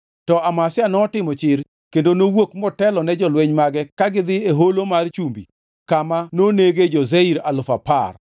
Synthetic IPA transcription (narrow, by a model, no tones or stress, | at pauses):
tɔamasɪjanɔːtɪmɔt͡ʃɪr | kendonowokmɔtɛlɔnɛd͡ʒɔlweɲmaɡɛkaɡɪd̪ɪeɦolomart͡ʃumbi | kamanoneɡed͡ʒɔzeiɾalʊfapar